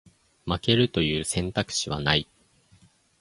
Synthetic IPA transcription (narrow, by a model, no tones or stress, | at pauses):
make̞ɾɯ̟t̪o̞jɯ̟ːsẽ̞nt̪akɯ̟̥ɕiβa̰nai